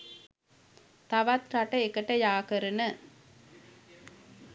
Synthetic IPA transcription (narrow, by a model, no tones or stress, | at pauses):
t̪ɐʋɐt̪ɾɐʈːɐekːɐʈːɐjaːkɐɾɯnɐ